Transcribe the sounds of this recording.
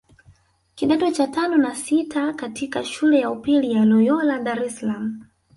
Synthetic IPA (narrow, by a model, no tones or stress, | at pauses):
kiɗatɔt͡ʃatanɔnasitʰakatikaʃulɛjaupilijalɔjɔlaɗaɾɛsalamu